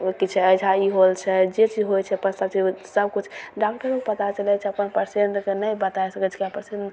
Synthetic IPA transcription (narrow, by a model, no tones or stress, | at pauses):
kit͡ʃʰɛəjd͡ʒʰaiɦolt͡ʃʰɛd͡ʒet͡ʃid͡ʒɦojt͡ʃʰɛpəst̪at͡ʃisəb̚kut͡ʃʰɖak̚ʈəɾokpət̪at͡ʃəlɛt͡ʃʰɛəpənpəɾseɳʈkenəjbət̪ajsəkət͡ʃʰkeapəɾsen